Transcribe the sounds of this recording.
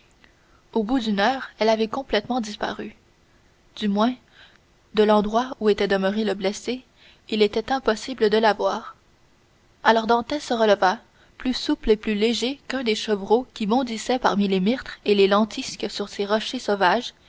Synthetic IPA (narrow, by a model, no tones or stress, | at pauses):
obud̪ynœːʁɛlavɛkɔ̃plɛt̪mɑ̃d̪ispa̰ʁy | d̪ymwɛ̃ | d̪əlɑ̃d̪ʁwauet̪ɛd̪əməʁeləblɛse | ilet̪ɛt̪ɛ̃pɔsibləd̪əlavwaːʁ | alɔʁd̪ɑ̃t̪ɛsəʁələva | plysupleplyleʒekœ̃d̪eʃəvʁokʲibɔ̃d̪isɛpaʁmilemiʁt̪χelelɑ̃t̪iskəsyʁseʁɔʃesovaʒ